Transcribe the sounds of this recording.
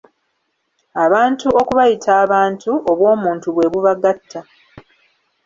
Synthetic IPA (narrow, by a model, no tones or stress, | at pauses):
aβaːntuo̞kuβajitʰaːβaːntʰuʔoβwo̞ːmuːntuβwe̞βuβaɡatʰːa